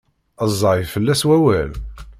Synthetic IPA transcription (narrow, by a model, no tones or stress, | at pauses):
əzˤːɑɾfəlːæswæwæl